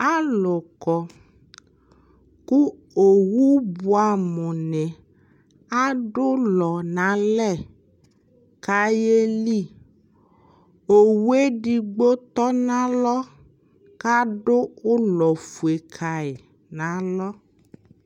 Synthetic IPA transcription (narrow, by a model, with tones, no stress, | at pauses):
a˦lɔ˨kɔ˨ | ku˦ | o˨wu˦bu˦a˨mɔ̃˨nɛ̃˨ | a˦ɖo˦lɔ˨nã˨˦lɛ˦˨ | ka˨je˦li˦˨ | o˨wu˦e˦ɖi˨ɡ͡bo˦t̪ɔ˦nã˦lɔ˦ | ka˦ɖo˦o˦lɔ˨fu˨e˨kʰa˨e˨ | nã˨˦lɔ˦